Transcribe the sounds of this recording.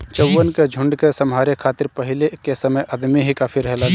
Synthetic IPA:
t͡ʃɐwːənked͡ʒʱʊ̃ɳɖkesɐmɦaːɾekʰaːt̪ɪɾpɐɦɪlekesɐməjʔɐd̪miɦikaːpʰiɾɛɦla

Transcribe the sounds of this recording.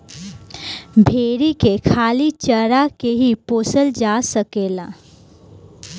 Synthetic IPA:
bʱeːɾikekʰaːlit͡ʃəɾakeɦipoːsəld͡ʒaːsəkeːlaː

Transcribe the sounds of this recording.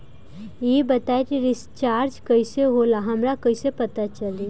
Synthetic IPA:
jebɐt̪aːet̪iɾɪst͡ʃaːɾd͡ʒkɐiseɦoːlaɦɐmɾakɐisepɐt̪at͡ʃɐli

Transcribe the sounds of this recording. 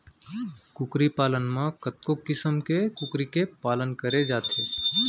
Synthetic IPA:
kʊkɾipaːlənmãkət̪̚kokːɪsəmkekʊkɾikepaːlənkəɾed͡ʒaːt̪ʰe

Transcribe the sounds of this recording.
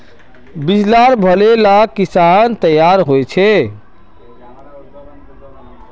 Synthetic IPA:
bid͡ʒlaɾbʱəlelakisant̪əjaɾɦojt͡ʃʰe

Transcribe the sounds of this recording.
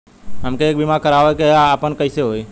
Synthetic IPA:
ɦəmkeːk̚bimakəɾaoekeaːpənkəiseɦoːi

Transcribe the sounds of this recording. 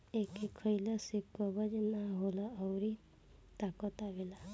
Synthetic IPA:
ekekʰəjlasikːɔbəd͡ʒnaɦolaəwɾi | t̪akɔt̪aʋela

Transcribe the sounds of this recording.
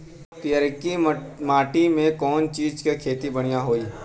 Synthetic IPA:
pijaɾɪkimaːʈimẽkɔːnt͡ʃiːd͡ʒkekʰeːt̪ibɐɽ̃ijaɦoːiː

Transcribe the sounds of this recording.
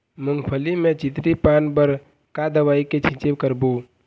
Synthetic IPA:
muŋɡpʰəlimet͡ʃit̪ɾipanbəɾ | kad̪əʋaiket͡ʃʰĩt͡ʃebkəɾbo

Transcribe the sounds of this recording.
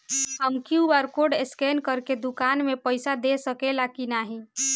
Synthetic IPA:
həmkiubəɾkoɖeskenkəɾked̪ʊkaːnmepəɪsad̪esəkelakinaːɦĩ

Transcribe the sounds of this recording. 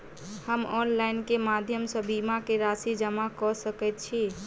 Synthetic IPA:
həmɔnlajnkemad̪ʱjəmsə̃bimakeɾasid͡ʒəmakɔsəkɛt̪̚t͡ʃʰi

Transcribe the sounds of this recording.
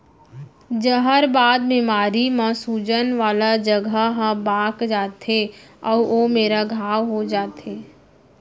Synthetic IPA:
d͡ʒəɦəɾbaːd̪̚mɪmaːɾimãsuːd͡ʒənʋaːlad͡ʒəɡʱəɦə̃baːkd͡ʒaːt̪eɔːomeːɾaɡʱaːʋɦod͡ʒaːt̪eː

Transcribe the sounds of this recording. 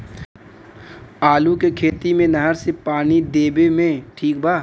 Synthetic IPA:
aːlukekʰeːt̪imẽnɐɦəɾsepaːnid̪eːbemẽʈʰiːk̚baː

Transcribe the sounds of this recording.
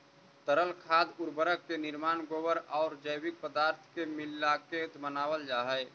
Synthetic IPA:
t̪əɾəlkʰaːd̪ʊɾbəɾəkːenɪɾmaːnɡoːbəɾɔːɾd͡ʒəjwɪk̚pəd̪aːɾt̪ʰkemɪlːaket̪mənaːwəld͡ʒaːɦɛj

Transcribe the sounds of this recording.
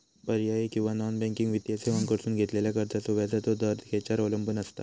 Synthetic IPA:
pəɾjajekĩw̃ʋanɔnbɛ̃ŋkiŋɡʋit̪jaseəŋkəɽsuːnɡʱet̪leljakəɾt̪asoʋjad͡zat̪od̪əɾd̪ʱkʰet͡ɕaɾoləmbənəst̪a̰

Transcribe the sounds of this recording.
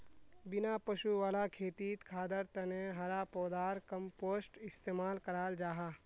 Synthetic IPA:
bɪnapəʃuʋaːlakʰeːt̪iːt̪kʰaːd̪əɾt̪ɐnẽɦɐɾapɔːd̪aːɾkəmpoːsʈɪst̪eːmaːlkɐɾaːld͡ʒaːɦaː

